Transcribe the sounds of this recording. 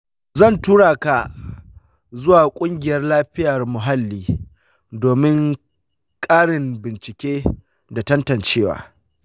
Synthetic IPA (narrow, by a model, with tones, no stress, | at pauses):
zɐ˦˨ntuː˦ɽaː˨ka˨ | zʊ˦waː˨kʷʼʊ˦ŋɡʲɪ˨jɐ˦rlaː˦ɸɪ˦jɐ˨rmʊ˨ɦa˦lːiː˦ | doː˨mɪ˦ŋ | kʼaː˦ɽɪ˨mbɪ˨nt͡ʃɪ˨kʲeː˦ | da˨tɐ˦ntɐ˨nt͡ʃeː˦wa̰ː˨